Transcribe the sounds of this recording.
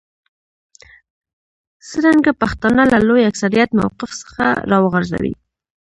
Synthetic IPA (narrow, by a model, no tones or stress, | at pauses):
səɾaŋɡapaxt̪ɑnalalojaksaɾijat̪ma̰wqɪfsə̥xa̰ɾɑwəɣaɾza̰wḭ